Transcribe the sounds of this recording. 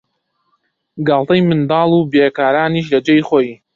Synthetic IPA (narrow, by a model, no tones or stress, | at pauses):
ɡalˠt̪ɐjmɨnd̪ɑːlˠubeːkaːɾaːniːʃ̬lɐd͡ʒejχoːj